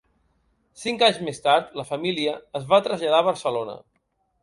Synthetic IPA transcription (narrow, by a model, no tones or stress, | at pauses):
siŋkaɲzmest̪aɾt̪ləfəmiliəːzβat̪ɾəzʎəð̞aβəɾsəlonə̰